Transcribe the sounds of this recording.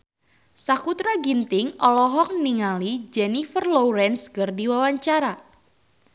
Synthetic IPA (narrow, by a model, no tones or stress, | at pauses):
sakut̪ɾaɡint̪ɪŋʔɔlɔɦɔk̚niŋalid͡ʒɛnifərloɾɛnskərdiwawaɲt͡ʃaɾa